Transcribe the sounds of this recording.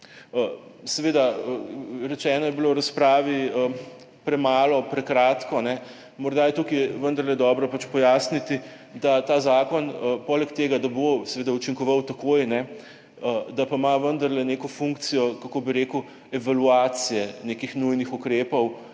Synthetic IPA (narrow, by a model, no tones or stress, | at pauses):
əsɛʋeːd̪aəɾɛt͡ʃɛːnɔjɛbilowɾaspɾaːʋiə | pɾɛmaːlɔpɾɛkɾat̪kɔnɛ | mɔɾd̪ajɛt̪ukijɛʋənd̪ɐɾlɛd̪ɔːbɾɔpat͡ʃpɔjaːsnit̪i | d̪at̪aːzaːkɔnəpɔːlɛkt̪eːɡad̪abosɛʋeːd̪aut͡ʃiŋkɔʋawt̪ɐkoːjnɛ | əd̪apaimaʋənd̪ɐɾlɛneːkɔfuŋkt̪sijɔkakoːbiɾeːkuw | ɛʋaluaːt̪sijɛneːkixnujnixukɾeːpɔw